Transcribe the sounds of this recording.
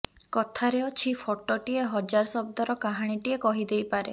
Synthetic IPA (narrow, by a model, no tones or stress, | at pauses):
kɔt̪ʰaɾeɔt͡ʃʰipʰoʈɔʈieɦɔd͡ʒaɾɔsɔb̚d̪ɔɾɔkaɦaɽ̃iʈiekɔɦid̪ejpaɾḛ